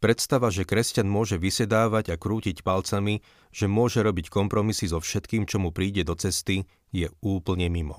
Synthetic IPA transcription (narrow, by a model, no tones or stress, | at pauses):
pɾɛt̪st̪aʋaʒɛkɾɛscanmʊɔʒɛʋisɛd̪aːʋaɟakɾuːcicpalt͡sami | ʒ̥ɛmʊɔʒɛɾɔbickɔmpɾɔmisizɔfʃɛt̪kiːmt͡ʃɔmupɾiːɟɛd̪ɔt͡sɛst̪i | jɛuːpl̩ɲɛmimɔ̰